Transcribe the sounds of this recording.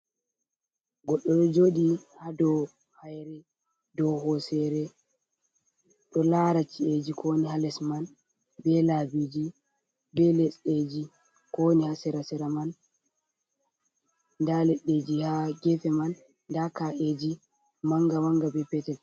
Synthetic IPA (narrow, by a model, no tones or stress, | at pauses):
ɡɔɗːɔɗɔd͡ʒoːɗihadɔ | hajɾɛ | dɔhɔsɛɾɛ | ɗɔlaɾat͡ʃːied͡ʒikʰonihalɛsman | bɛlabid͡ʒi | bɛlɛsɗed͡ʒi | konihasɛɾasɛɾaman | ndalɛɗːed͡ʒihaɡɛfɛmanː | dakaʔeːd͡ʒi | maŋɡamaŋɡabɛpɛtɛl